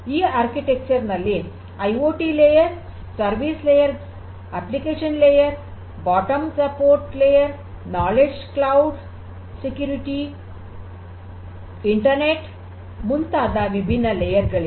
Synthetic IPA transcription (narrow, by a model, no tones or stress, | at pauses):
iaɾkiʈek̚t͡ɕəɾnəle | ajoʈilejəɾ | səɾʋislejəɾ | æplikeɕənlejəɾ | bɔʈəmsəpoɾʈlejəɾ | nɔled͡ʑklauɖ | sekjuɾiʈi | iɳʈəɾneʈ | munt̪ad̪aʋibʱinːəlejəɾɡəɭe